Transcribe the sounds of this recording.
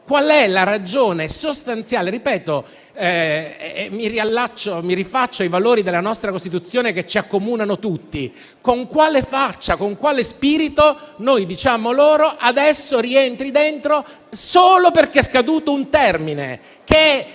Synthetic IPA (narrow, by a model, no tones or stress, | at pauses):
kwalɛlaɾad͡ʒoːnesost̪ant̪sjaːleɾipɛːt̪o | miɾialːat͡ʃːomiɾifat͡ʃːoajvaloːɾid̪elːanɔst̪ɾakost̪it̪ut̪sːjoːneket͡ʃːiakːomuːnanot̪ut̪ːi | koŋkwaːlefat͡ʃːakoŋkwaːlespiːɾit̪onojd̪it͡ʃaːmoloːɾoʔad̪ɛsːoɾient̪ɾid̪ent̪ɾo | soːloperkeɛskad̪uːt̪ount̪ɛrminḛ | ke